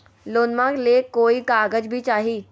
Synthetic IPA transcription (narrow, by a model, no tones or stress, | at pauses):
loːnmãɡlekoːikaːɡəd͡ʒbʱit͡ʃaːɦiː